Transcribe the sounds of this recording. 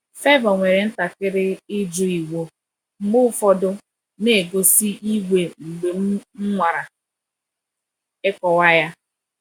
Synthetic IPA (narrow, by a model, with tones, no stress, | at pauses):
fe˦bɔ˨ŋʷe˨ɾe˨n̩˦ta˨kɪ˦ɾɪ˦ɪ˦d͡ʒu˦i˨wo˨ | ŋ͡m̩˦ɡ͡bʊ˦fɔ˦dʊ˦ | ne˦˨e˨ɡo˨si˦i˦ɡʷe˨ŋ͡m̩˨ɡ͡be˨m˦ŋ͡m̩˦ŋʷa˨ɾa˨ | ɪ˦kɔ˨wa˦ja˦